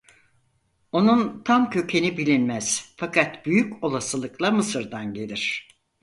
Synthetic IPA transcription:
o̞nunt̪ʰamcʰø̞cʰe̞nibilʲinmæz̥fakʰat̪b̥yjyco̞lˠasɯlˠɯklˠamɯsɯɾd̪anɟe̞lʲiɾ̝̥

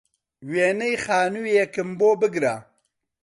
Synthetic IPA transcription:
weːnejxaːnujekɨmboːbɨɡɾa

